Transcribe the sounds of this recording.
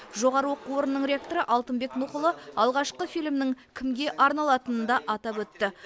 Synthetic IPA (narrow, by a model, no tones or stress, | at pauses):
ʒo̞ʁɑɾəwoqəwo̞ɾənːəɴɾʲeak̚t̪o̞ɾəʔɑlˠt̪əmbe̞knʊqʊlˠəɑlˠʁɑʃqəfijlmnɪŋkʲʰɪmɡʲe̞ʔɑɾnɑlˠɑt̪ənənd̪ɑʔɑt̪ɑpwɵt̪ːɪ